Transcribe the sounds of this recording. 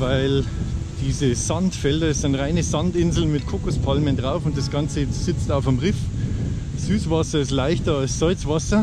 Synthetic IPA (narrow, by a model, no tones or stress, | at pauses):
vaɪl | d̥iːzəz̥antfɛldɐɪstaɪnʁaɪnəzantɪnzl̩mɪtkʰʊkʊspʰalməndʁaʊfʊnt̚d̥asɡ̥ant͡səz̥ɪt͡staʊfɪmʁɪf | z̥yːsv̥asɐɪstlaɪçtɐalsz̥ɔʏt͡sv̥asɐ